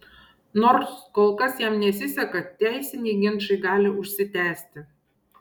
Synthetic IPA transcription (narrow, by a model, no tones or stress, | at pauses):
noːɾskoːlˠkɐsjæmnʲɛsʲɪsʲɛkɐt̪ʲæˑɪsʲɪnʲɛɪɡʲɪnʃɐɪɡɑːlʲɪʊʃʲsʲɪt̪ʲæːsʲt̪ʲɪ